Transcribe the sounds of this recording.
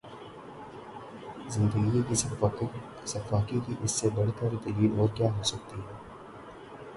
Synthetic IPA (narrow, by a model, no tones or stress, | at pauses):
zɪ̃nd̪əɡiki | sɐfaːkikiʔɪsːebɐɽet̪əɾit̪ɐɾiːd̪ɔːɾkjaːɦoːsɐk̚t̪iɦɛː